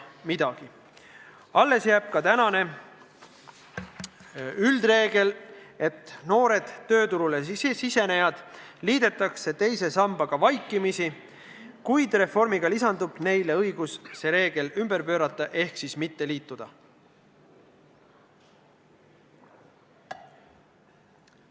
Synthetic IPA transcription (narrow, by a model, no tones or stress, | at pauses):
mid̪̥ɑɡ̥i | ɑlːe̞sjæːb̥̚kɑt̪ænɑne̞ | yld̪re̞ːɡ̥e̞le̞t̪ˑno̞ːɾe̞d̪̥t̪ːø̞ːt̪uɾulesise̞nejɑd̪̥liːd̪̥e̞t̪ːˑɑkse̞t̪e̞jse̞sɑmb̥ɑɡ̥ɑvɑjkːˑimisi | kujd̪re̞fo̞rmiɡ̥ɑlisɑnd̪ub̥ne̞jle̞ɤjɡ̥usse̞ɾe̞ːɡ̥e̞lymb̥e̞ɾpø̞ːɾɑt̪ˑːɑʔe̞hksismit̪ːe̞liːt̪ːˑud̪̥ɑ̰